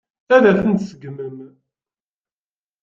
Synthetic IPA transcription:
θæðæθənt̪səɡməm

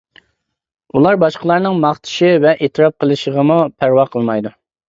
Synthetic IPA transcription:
ulˠɑɾbɑʃqəlˠɑɾnɨŋmɑχt̪ʰɪ̥ʃɪvɛʔet̪ʰɨɾɑp̚qʰəlˠɨʃəʁəmupʰæɾwɑqʰəlˠmɑjd̪u

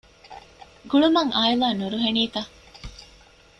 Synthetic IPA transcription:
ɡuɭumɐŋʔaːjilaːnuɾuɦeniːt̪ɐ

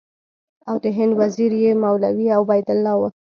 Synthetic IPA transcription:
awd̪əɦɪnd̪waziɾjemawlawiawbajd̪ʊlːɑwə

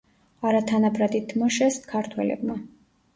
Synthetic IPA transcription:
aɾat̪ʰanabɾad̪it̪ʰːmɔʃɛskʰaɾt̪ʰwɛ̰lɛ̰bma

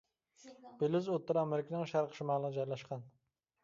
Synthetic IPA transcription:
b̥elɪzot̪ːɨɾɑmɪɾkʲnɪŋʃæɾqʃumɑːlˠənəd͡ʒɑjlɑʃqʰɑn

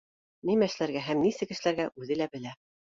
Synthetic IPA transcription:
nimæʃlæɾɡæɦæmnisɘkɘ̆ʃɘ̆læɾɡæʔʉðɘlæbɘ̆læ

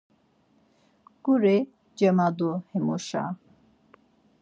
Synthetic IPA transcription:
kuɾe | d͡ʒəmad̪ohemoʃa̰

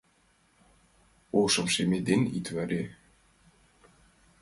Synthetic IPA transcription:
ɔsɔmsɛmɪd̪ɪnḭt̪ʰvœɾɪ

